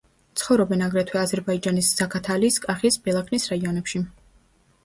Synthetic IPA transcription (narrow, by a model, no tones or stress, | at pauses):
t̪sʰχɔvɾɔbɛnaɡɾɛt̪ʰwɛazɛɾbaid͡ʒanisz̥akʰat̪ʰaliːskʼaχisbɛlˠakʰnisɾaiɔnɛpʃi